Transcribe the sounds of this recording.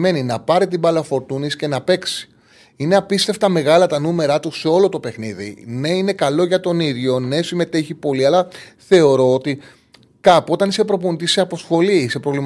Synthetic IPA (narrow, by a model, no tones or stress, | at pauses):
me̞ninɐpɐɾit̪ibɐlɐfo̞ɾt̪unisce̞nɐpe̞ksi̥ | ine̞ɐpist̪e̞ft̪ɐme̞ɣɐlɐt̪ɐnume̞ɾɐt̪use̞o̞lo̞t̪o̞pe̞xniðḭne̞ine̞kɐlo̞ʝɐt̪o̞niðʝo̞ne̞sime̞t̪eçipo̞liɐlɐθe̞o̞ɾo̞ot̪i | kɐpuo̞t̪ɐnisepɾo̞p̬onit̪iseɐposxo̞liise̞pɾo̞vlim